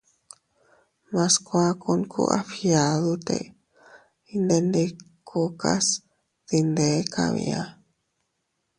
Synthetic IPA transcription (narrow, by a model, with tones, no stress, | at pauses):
mã˧skʷa˦ku˧nkṵ˦ʔa˦fja˨ðu˦t̪ḛ˧ | i˧nd̪e˧nd̪e˧kʰo˧ka˦s | ð̥i˧nd̪e˨˦ka˧βḭ˧a˦